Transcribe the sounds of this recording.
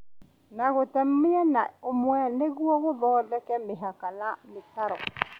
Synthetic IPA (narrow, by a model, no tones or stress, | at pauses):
naɣʊtɛm̩mɪjɛnaʊmʊɛnɪɡuɔɣʊbɔdɛkɛmɪɦakanamɪtaɾɔ̰